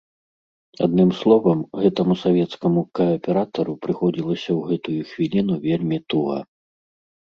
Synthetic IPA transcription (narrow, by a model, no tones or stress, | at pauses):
a̰d̪nɨmslˠɔvɐmɣɛt̪ɐmusavʲɛt̪skɐmukɐɐpʲɛɾat̪ɐɾupɾɨxɔd͡zʲilˠɐsʲɐwɣɛt̪ujuxvʲilʲinuvʲelʲmʲit̪uɣɐ̰